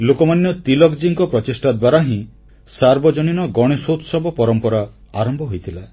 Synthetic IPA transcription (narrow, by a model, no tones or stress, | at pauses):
lokɔmanjɔt̪ilɔkd͡ʒiŋkɔpɾɔtisʈad̪waɾaɦĩ | saɾbɔd͡ʒɔñinɔɡɔɽ̃esot̪sɔbɔpɔɾɔmpɔɾa | aɾɔmbʱɔɦojt̪ʰila